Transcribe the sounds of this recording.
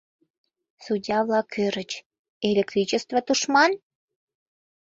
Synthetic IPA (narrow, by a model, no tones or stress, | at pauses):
sudʲɑβlɑkʰøɾət͡ɕ | elʲek̚t̪ɾit͡ɕəst̪vot̪uʃmɑn